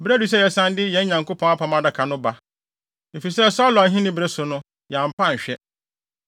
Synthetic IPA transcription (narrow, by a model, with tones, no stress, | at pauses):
bɾe˦du˨s̬ɛ˦jɛ˨sã˦ndɪ˦jɛ̃˨˦ɲã˨ŋko˦pʰɔ̃˨˦a˦pʰã˨mã˦da˨kʰa˨nʊ̃˦ba˦ | m̩˨fi˨i˨sɛ˦˨sa˦lɔ˨a˨ɦĩ˦nɪ̃˦bɾe˦sʊ˨nʊ̃˦ | ja˨m̩˨pʰã˦˨ɲ̩˨ɕᶣɛ˦